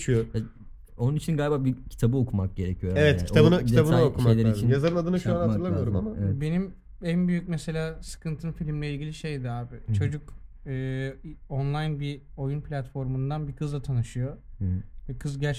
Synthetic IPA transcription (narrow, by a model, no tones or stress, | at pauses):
yoja | o̞nunit͡ʃʰinɡaːlʲibaːbicʰi̥t̪ʰabɯokʰumak̚ɟ̥e̞ɾecʰijo̞ɾaevɛt̪ʰit̪ʰaɯnɯcʰid̪eabɯnajokuʃmejlʲeɾit͡ʃʰinjazaɾɯnad̪ɯnɯʃanaɾlˠabiljoɾmamaɛbe̞nim | ænbyjyc̚mese̞lʲaːsɯ̥kʰɯnt̪ʰɯnfilʲimlʲɛilʲɟʲilʲiʃe̞jd̪ɛaːbɪt͡ʃʰo̞d͡ʒukɯːonlˠajnbi | o̞junpʰlʲat̪fo̞ɾmund̪anbikʰɯzlˠat̪ʰanɯʃɯjovɛkʰɯzɟæɾt͡ʃ